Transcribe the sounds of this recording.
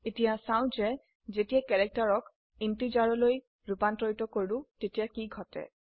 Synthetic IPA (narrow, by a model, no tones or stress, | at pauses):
etijasaw̃zɛ | zetiakɛɹɛk̚taɹɔk | intizaɹɔloj | ɹupantɹɔjtɔkoɹʊ̃tetijakiɡʱɔtɛ̰